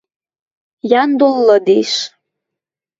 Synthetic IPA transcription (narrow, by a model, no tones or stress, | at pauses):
jɑnd̪olːɤd̪eʃ